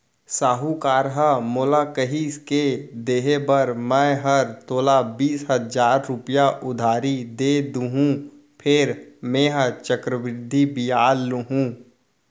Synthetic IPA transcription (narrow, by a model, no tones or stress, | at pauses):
saːɦukaːɾɦəmoːlakəɦisked̪eːɦebəɾmɛ̃ɦəɾt̪oːlabiːsɦəzaːɾːʊpijaʔʊd̪ʱaːɾid̪eːd̪uɦũ | pʰɪɾmẽːɦət͡ʃəkɾəʋɾɪd̪ʱːibijaːlːɦũː